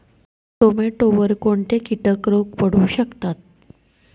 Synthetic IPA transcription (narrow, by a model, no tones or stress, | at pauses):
t̪omeʈoʋəɾkoɳʈ̪ekiʈəkɾokpəɽ̤uːɕəkt̪at̪̚